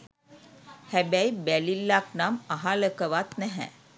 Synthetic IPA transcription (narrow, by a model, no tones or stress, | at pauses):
hæbæjbælilːak̚namaɦaləkəʋat̪næɦɛ̰